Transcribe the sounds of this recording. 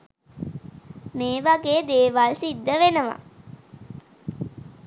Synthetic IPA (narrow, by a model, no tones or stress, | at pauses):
meːʋaɡeːd̪eːʋalsid̪ːəʋenəʋa̰